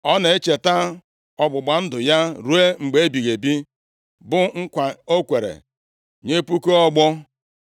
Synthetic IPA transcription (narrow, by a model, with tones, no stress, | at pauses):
ɔ˦ne˨e˦t͡ʃe˨ta˦ | ɔ˨ɡ͡bʊ˨ɡ͡ba˨n̩˦dʊ˨ja˦ɾu˨˦e˦ŋ͡m̩˨ɡ͡be˨˦e˦bi˨ɣe˨bi˦ | bʊ˦ŋ̩˦kʷa˨o˦kʷe˨ɾḛ˨ | ɲe˦pu˦ko˦ɔ˦ɡ͡bɔ˦